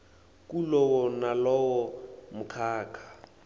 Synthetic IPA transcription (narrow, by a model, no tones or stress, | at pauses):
kʼulɔwɔnalɔwɔmʊkʰaːkʰḁ